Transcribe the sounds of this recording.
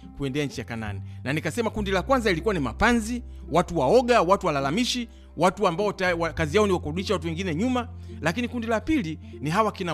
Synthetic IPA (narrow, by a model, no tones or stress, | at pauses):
kuɛndɛaɲ̩t͡ʃijakana̰ninanikasɛmakundilakwanzailikuwanimapanzi | watuwaɔɠawatuwalalamiʃi | watuambaɔtwakazijaɔniwakɔuɗiʃawatuwɛŋɡinɛɲuma | lakinikundilapiliniɦawakina